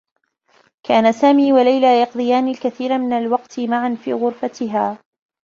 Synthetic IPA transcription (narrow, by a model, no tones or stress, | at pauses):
kʰaːnasaːmiːwalajlaːjɑqd̪ˤɨjaːnɪlkaθiːɾamɪnalwɑqt̪ɪmaʕanfḭːɣʊɾfat̪ɪɦaː